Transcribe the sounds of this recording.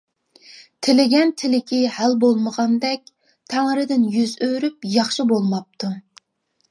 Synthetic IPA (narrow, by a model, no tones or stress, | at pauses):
t̪ʰɪlɪɡʲɛnt̪ʰɪlɪkʲʰɪhælbolˠməʁɑnd̪ɛk̚ʲ | t̪ʰæŋɾɪd̪ɪnjyzøɾypjɑχʃibolˠmɑp̚t̪ʰu